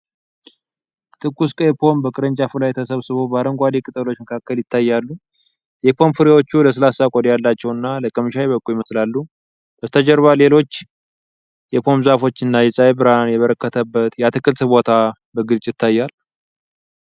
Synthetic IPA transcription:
t̪ʰʼɨkʼːuskʼɛpʰo̞mbəkʼɨɾəɲt͡ʃʼafɨlajt̪ʰəsəβsɨβo̞baɾəŋɡʷad̪ekʼɨt̪ʼəlo̞t͡ʃːməkʰakːəljɪt̪ʰːajːalːu | jɛpʰo̞mfɨɾiwo̞t͡ʃːuləs̬ɨlasakʼod̪jalːat͡ʃːɛwɨnːaləkʼːəmɨʃaweβəkʼːujɪməslalːu | bəst̪ʰəd͡ʒəɾβale̞lo̞t͡ʃː | jɛpʰo̞mzafo̞t͡ʃːɨnːajɛsʼajbɨɾanjɛβəɾəkːət̪ʰəbːət̪jɛat̪ʰɨkʼːɨlsɨβbo̞t̪ʰa | bəɡɨlt͡ʃʼjɪt̪ʰːajːal

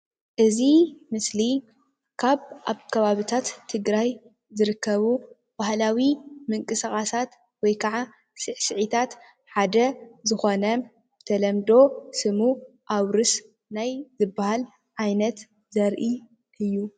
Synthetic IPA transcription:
ʔɨzimɨsli | kʰaβʔaβkʰɐβaβit̪ʰat̪ʰːɨɡɾaj | zɨɾɨkʰːɐβu | b̥ahlawimɨŋkʼɨsɐxʼasat̪ | wɔjkʰɐʕa | sɨʕsɨʕit̪ʰat̪ | ħad̪ɐzɨxo̞nɐ | b̥ɨt̪ʰɐlɐmd̪o̞sɨmu | ʔaβɾɨs | najzɨbːahal | ʕajnɐt̪ | zɐɾʔi | ʔɨjːu

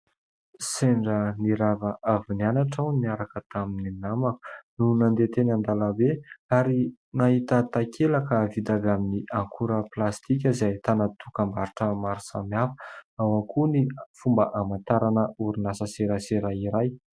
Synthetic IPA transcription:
seɳɖ͡ʐəniɾavaʔavinanaʈ͡ʂawniaɾakət̪amininamaknunand̪et̪enand̪alabeaɾi | naɦit̪ət̪akʰelakəvid̪avaminiʔaŋkʰuɾəplast̪ik̬ʲəzajt̪anat̪ukambaɾiʈ͡ʂəmaɾusa̰mjafə̥awaŋkʰunifumbəʔamant̪aɾanəuɾinasaseɾaseɾaiɾaj

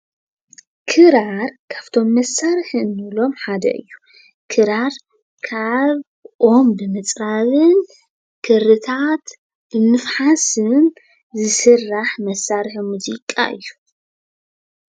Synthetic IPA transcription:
kʰɨɾaɾkʰḁβt̪ʰo̞mːɐsaɾħɨnːɨlo̞mħad̪ɐ̰ʔɨ̰jːu̥ | kʰɨɾaɾ | kʰaβ | ʔo̞mbɨmɨt͡sʼɾaβɨn | kʰɨɾɨt̪ʰat̪ | b̥ɨmɨfħasɨn | zɨsɨrːaħmɐsːaɾħmuzikʼa̰ʔɨ̰jːu̥

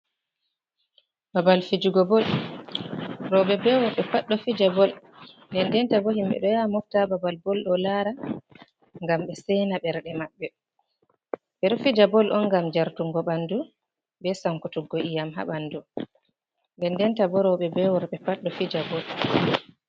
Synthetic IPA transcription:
babalfid͡ʒuɡɔbɔl | ɾɔɓɛbɛwɔɾɓɛpaɗːɔfid͡ʒabɔl | ndɛndɛntabɔɦimɓɛ̰ɗɔjamɔftababalbɔlɗɔlaɾa | ŋɡamɓɛsɛnabɛɾɗɛmaɓːɛ | ɓɛɗɔfid͡ʒabɔlʔɔnɡamd͡ʒaɾtuŋɡɔɓandu | bɛsaŋkutuɡɔʔijamɦa̰ɓandu | ndɛndɛntabɔɾɔɓɛbɛwɔɾɓɛpaɗːɔfid͡ʒabɔl

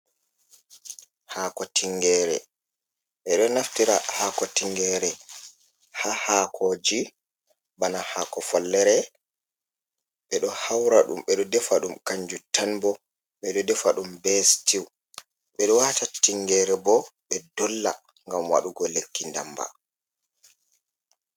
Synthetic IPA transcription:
haːkɔtiŋɡɛɾɛ | ɓɛɗɔnaftiɾahakɔtiŋɡɛɾɛ | hahakʰɔd͡ʒi | banahakɔfɔlːɛɾɛ | ɓɛɗɔhawɾaɗṵmɓɛɗɔdɛfaɗumkaɲd͡ʒutanbɔ | ɓɛɗɔdɛfaɗumbɛstiw | ɓɛɗɔwatatiŋːɡɛɾɛbɔɓɛdɔlːa | ŋɡamwa̰ɗuɡɔlekːinda̰mba̰

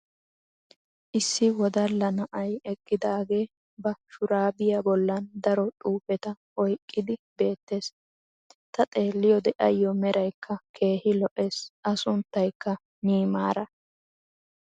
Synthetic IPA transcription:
ʔɪsːɪwɔd̪ɐlːɐnɐʔɐjɛkʼːɪd̪aːɡe̞ː | bɐʃʊɾaːbɪjɐbɔlːɐnd̪ɐɾɔt̪ʼuːfɛt̪ɐ | ɔjkʼːɪd̪ɪbe̞ːt̪ːe̞ːs | t̪ɐt̪ʼe̞ːlːɪjɔd̪ɛʔɐ̰jːɔmɛɾɐjkʰːɐkʰe̞ːhɪlɔʔe̞ːsʔɐsʊnt̪ːɐjkːɐ | niːmaːɾɐ

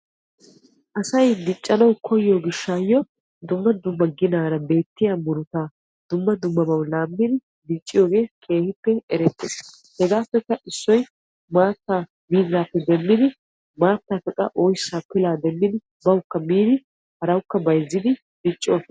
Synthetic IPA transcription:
ʔɐsɐjd̪ɪt͡ʃʼːɐnɐwkʰɔjːoɡɪʃːaːjːɔ | d̪ʊmːɐd̪ʊmːɐɡɪnaːɾɐbe̞ːt̪ːɪjamʊɾʊt̪aː | d̪̥ʊmːɐd̪ʊmːɐbɐwlaːmːɪd̪ɪ | d̪ɪt͡ʃʼːɪjoːɡe̞ːkʰe̞ːhɪpːɛɛɾɛt̪ːes | hɛɡaːpːɛkːɐʔɪsːɔj | maːt̪ːaː | biːzaːpːɛd̪ɛmːɪd̪ɪ | maːt̪ːaːkɐkʼɐ̰ʔɔjsapːɪlaːd̪ɛmːɪd̪ɪ | bɐwkːɐmiːd̪ɪ | hɐɾɐwkːɐbɐjzːɪd̪ɪ | d̪ɪt͡ʃʼːɪoːf

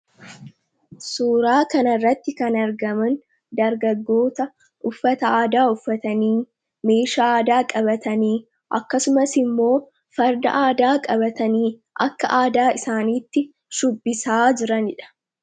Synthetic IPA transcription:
suːɾaːkɐnɐrːɐt̪ːɪkɐnɐɾɡɐmɐn | d̪ɐɾɡɐɡːo̞ːt̪ɐ | ʔʊfːɐt̪ɐaːd̪aːʊfːɐt̪ɐniː | me̞ːʃaːaːd̪aːkʼɐbɐt̪ɐniː | ʔɐ̰kːɐsʊmɐsɪmːo̞ː | fɐɾd̪ɐ̰ʔaːd̪aːkʼɐbɐt̪ɐniː | ʔɐ̰kːɐʔaːd̪aːɪsaːniːt̪ːɪ | ʃʊbːɪsaːd͡ʒɪɾɐnɪᶑɐ̥

